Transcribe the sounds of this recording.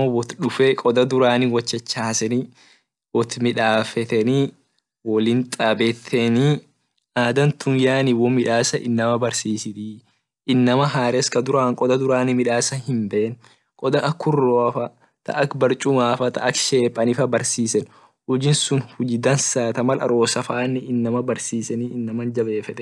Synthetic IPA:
ɔwɔt̪ᶑʊfɛkʼɔd̪ɐd̪ʊɾaːnɪwɐt͡ʃːɛt͡ʃːahɐsɛni | wɔt̪mɪᶑaːfɛt̪ɛni | wɔlɪnt̪ʼabɛt̪ʰːɛni | aːd̪ɐnt̪ʊnjaːniwɔmɪᶑaːsɐʔɪ̰nːɐmɐbɐɾsiːsɪt̪i | ɪnːɐmɐɦaːɾɛskɐd̪ʊɾaːŋkʼɔd̪ɐd̪ʊɾaːnɪmɪᶑaːsɐhɪmbeːn | kʼɔd̪ɐʔɐkːʊrːoːfɐ | t̪ʰɐ̰ʔːkbɐɾt͡ʃʼʊmaːfɐt̪ɐ̰ɐkʃeːpʼɐnɪfɐbɐɾsiːsɛn | ʊd͡ʒɪnsʊnhʊd͡ʒɪd̪ɐnsaːt̪ɐmɐlɐ̰ɾo̞ːsɐfaːnːɪʔɪnːɐmɐbɐɾsiːsɛniɪnːɐmɐnd͡ʒɐbe̞ːfɛt̪ɛ

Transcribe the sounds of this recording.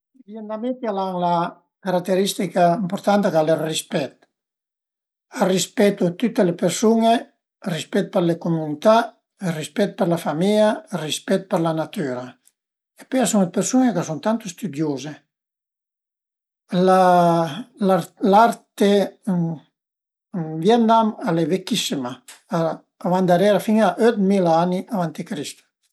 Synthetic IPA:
vjenamet̪alaŋla | kaɾakt̪ːeɾist̪ikaimpoɾt̪ant̪akalerispɛt̪ | arispɛt̪ut̪ut̪ːelepeɾsuŋe | rispɛt̪̚peɾlekomunit̪a | erispɛt̪̚peɾlafamiʎarispɛt̪̚peɾlanat̪yɾa | epeasuŋepeɾsuŋekasuŋt̪ant̪ost̪yd̪joze | la | laɾt̪e | vjɛnd̪amalevekːisimaaː | vand̪aɾɛɾafiŋaʔøt̪milaaniʔavant̪ikɾist̪ḁ

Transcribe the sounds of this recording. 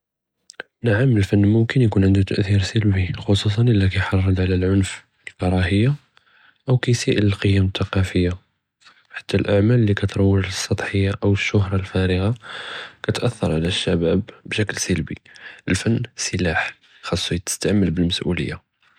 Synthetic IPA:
naʕəməlfənːmʊmkənjkunʕənd̪ut̪əʔθiɾsəlbixosus̬ˤɑnʔəlːikæjħɑrˤːɑd̪ʕalælʕʊnf | əlkɑɾˤɑɦəjːa | ʔəwkæjsiʔələlqəjːæmət̪ːɑqɑfəjːa | ħḁt̪ːælʔaʕmællːikæt̪ɾˤɑwːəʒəsˤːɑt̪ˤħəjːaʔəwəʃːʊhɾˤɑlfæɾəɣakæt̪ʔæθːɑ̰ɾˤʕlæʃːæbæbbʃæklsəlbḭʔəlfənːsəlaħ | xɑsˤːujt̪ə̥st̪aʕməlbəlməsʔṵlə̰jːa̰

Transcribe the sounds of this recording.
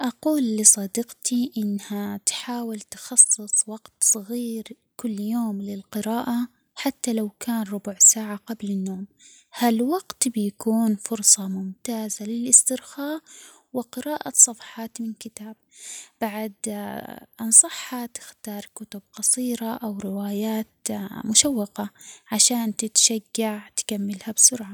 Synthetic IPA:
ʔɑquːlːɪsˤɑd̪ɪqt̪iʔɪnːhat̪ħaːwɪlt̪xɑsˤːɨsˤwɑɡ̥t̪sˤɨɣiːɾ | kʊlːjoːmlɪlqɪɾaːʔa | ħat̪ːalawkaːnɾˤʊbʊʕsaːʕaqablɪnːoːm | halwaɡt̪bɪjakuːnfʊɾsˤɑmʊmt̪aːzalɪlʔɪst̪ɪɾxaːʔ | wɪqɪɾaːʔasˤɑfɑ̥ħɑːt̪mɪnkɪt̪aːb̚b̥aʕad̪ | ʔɑnsˤɑħːat̪ɪ̥xt̪ɑːɾˤkʊt̪ʊb̚qɑsˤiːɾaʔawɾɪwaːjaːt̪mʊʃawːɑqaʕaʃaːnt̪ɪt̪ʃaɡːaʕt̪kamːɪlhabsʊɾʕa

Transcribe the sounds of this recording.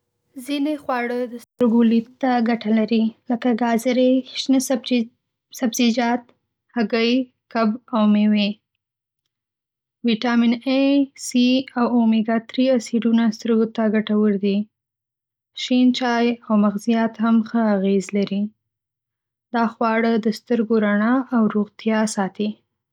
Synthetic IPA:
zinexwɑɽəd̪əst̪əɾɡolit̪t̪ːaɡaʈalaɾiləkaɡɑzəɾeʃnə | sabzid͡ʒɑt̪ | haɡəj | kabawmewe | wiʈɑminesiawomiɡat̪ɾiasiɖunast̪əɾɡot̪aɡaʈawəɾd̪i | ʃint͡ʃɑjawmaɣzijɑt̪hamxəaɣezlaɾi | d̪̥ɑxwɑɽəd̪əst̪əɾɡoɾaɳɑʔːwɾoɣt̪jɑsɑt̪i

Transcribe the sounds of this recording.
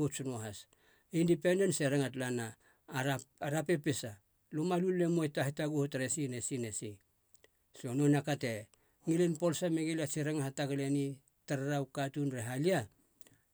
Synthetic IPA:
otsunoɦas | indipende̞nseɾaŋatlana | aɾape̞pesa | lomalulːemojtahitaɡuhotaɾesinesinesi | sononakate | ŋilenpo̞lsameɡeliasiɾaŋahataɡaleni | taɾaɾawkatunɾeɦalia

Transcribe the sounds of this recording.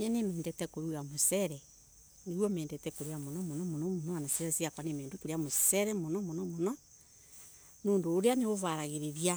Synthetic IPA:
ɛnemɛːndɛtɛkoɾuɣamosɛɾɛ | neɣwɔmeːndɛtɛkoɾuɣamonɔmonɔmonɔmonɔanaseasiakwanemeːndokoɾeamossɛɾɛmonɔmonɔmonɔ | noːndoːɾeaneoβaɾaɣeɾeɾia

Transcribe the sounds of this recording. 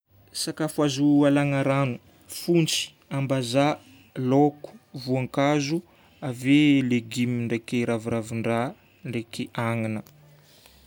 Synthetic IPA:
sakafuazualaŋaɾanu | funt͡si̥ | ambaza | loku̥vuaŋkazu | aveleɡimiɳɖ͡ʐekeɾaviɾaviɳɖ͡ʐa | ɳɖ͡ʐekeʔaŋinə

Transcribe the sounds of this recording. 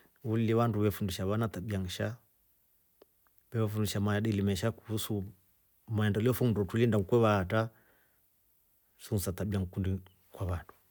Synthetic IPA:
ulliβanduβɛfundiʃaβanat̪aɓiaŋ̩ʃa | βɛβafundiʃamaaɗilimɛʃakuusu | maɛndɔliɔfɔŋ̩dɔtulindaŋ̩kwɛβaːta | suŋusat̪aɓiaŋkundi | kwaβandu̥

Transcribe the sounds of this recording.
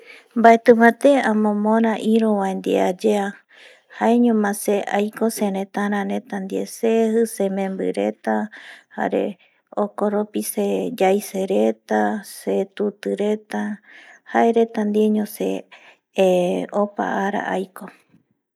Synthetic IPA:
mbaet̪ɨ̃mãt̪eãmõmõɾãʔiɾõwãend̪iad͡ʒea | haeɲõmãseʔajkosẽɾẽt̪aɾãɾẽ̞t̪and̪iḛsehɨsemẽmbɨ̰ɾe̞t̪aha̰ɾḛ | okoɾopised͡ʒajseɾet̪aset̪ut̪ɨɾet̪ahaeɾe̞t̪and̪ieɲõsḛ | opa̰aɾa̰ʔajko

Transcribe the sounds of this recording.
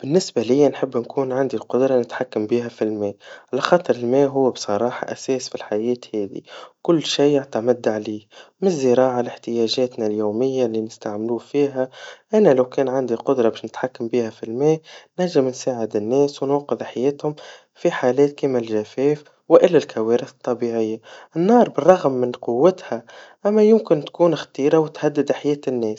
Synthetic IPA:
b̥ɪnːɪsbalɪjːanħəbːnkuːnʕand̪ilqʊd̪ɾˤɑnɪt̪ħakːambiːɦæfilmɛːʔʕalæxɑːt̪ˤɨɾˤɪlmɛːɦʊwːbsˤɑɾˤɑːħɑ̰ʔæ̰sɛːsfilħajɛːt̪hɛːðḭkʊlːʃiːaʕt̪amad̪ːʕliːmɪzːɪɾˤɑːʕalɪħt̪ɪjɛːʒɛːt̪næljuːmɪjːaliːnɪst̪aʕmluːfiːɦæʔænælawkɛːnʕand̪iqʊd̪ɾˤɑbɛːʃnɪt̪ħakːambiːhæfilmɛːnaʕʒɪmnsaːʕɪd̪ɪnːɛːswnuːqɪðħajɛːt̪hʊm | fiħaːlɛːt̪̚kiːmɪlʒæfɛːf | wɪʔɪlːælkʰawɛːɾɪθɨ̥t̪ˤːɑbiʕɪjːaʔɪnːɑːɾˤbɪrˤːɑɣmːɪnqʊwːɪt̪hæʔæmːæjʊmkɪnt̪kuːnxt̪iːɾawɪt̪had̪ːɪd̪ħajɛːt̪ɪnːɛːs

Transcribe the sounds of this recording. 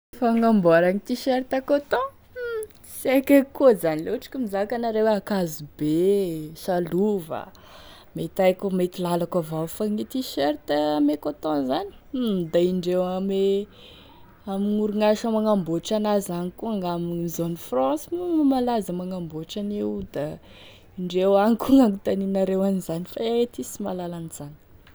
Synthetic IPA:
faŋamboaɾaŋit̪iʃeɾt̪akot̪ɔ̃ | sakʲakuzanileʈ͡ʂi̥kʲumizakanaɾewakazibesaluvə̰ | met̪ajkumet̪ilalakavafaŋit̪iʃeɾt̪əamekot̪ɔ̃zani̥d̪aiɳɖ͡ʐewame | amiŋuɾuŋaʃamaŋamboʈ͡ʂanazanikuaŋɡamizonifrɔ̃simumalazamaŋamboʈ͡ʂanewd̪a | iɳɖ͡ʐewaŋikuŋaŋut̪aninaɾewanizanifaet̪isimalalaniz̥ani̥

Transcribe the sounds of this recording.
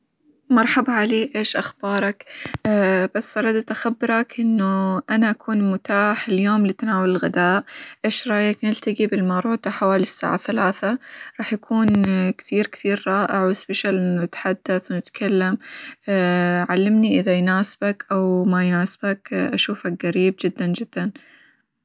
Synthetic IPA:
mɑɾˤħabʕaleːʔeːʃʔaxb̥ɑːɾˤɑkː | b̥asːʔɑɾˤɑd̪at̪ʔaxabːɪɾˤɑkʔɪnːuʔanaʔakʰuːnmʊt̪aːħɪljoːmlit̪anaːwalɪlɣɪd̪aːʔʔeːʃɾˤɑːjaknɪlt̪aɡibɪlmaɾˤuːt̪aħawaːlisːa̰ːʕaθalaːθaɾˤɑːħjakʰuːnkt̪iːɾkt̪iːɾɾˤɑːʔɪʕwɪspɪʃalʔɪnɪt̪ħad̪ːaθwnɪt̪kʰalːamː | ʕalːɪmniʔɪðajnaːsɪbakʔawmajnaːsbakʔaʃuːfak̚ɣaɾiːb̚d͡ʒɪd̪ːand͡ʒɪd̪̥ːan

